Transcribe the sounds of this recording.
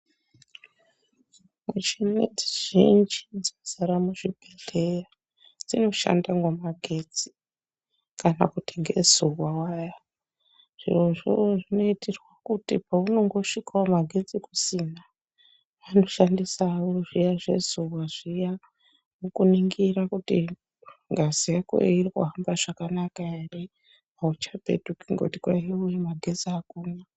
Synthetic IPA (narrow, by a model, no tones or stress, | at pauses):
mut͡ʃinetiʒ̥ind͡ʒid͡zozaɾamuʐibʱeɮe̞ja | d͡zino̞ʃa̰ndaŋɡomaɡʱe̞d͡zi̥ | kana̰kutiŋɡe̞̰zuwawaja | ʐ̥ḭroʐo̰ʐino̞itirwakutipauno̞ŋɡo̞ʂikaomaɡʱe̞d͡zikusina | ʋano̞ʃandisauruʐijaʐe̞̰zuwwaʐija | mukuniŋɡirakuti | ŋɡazijako̰eirikuɦambaʐ̥akanakaeri | aut͡ʃapḛtukiŋɡo̰tikwaiujemaɡʱe̞d͡ziakuːna